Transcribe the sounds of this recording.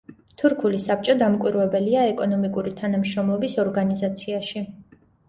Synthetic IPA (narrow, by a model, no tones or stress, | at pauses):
t̪ʰuɾkʰulisap̚t͡ʃʼɔd̪amkʼwiɾwɛbɛliaɛkʼɔnɔmikʼuɾit̪ʰanamʃɾɔmlˠɔbisɔɾɡanizat̪sʰiaʃi